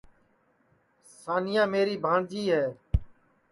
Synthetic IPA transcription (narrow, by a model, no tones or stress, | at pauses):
saːnɪjãːmeːɾiːbʱãːɳd͡ʒiːɦɛː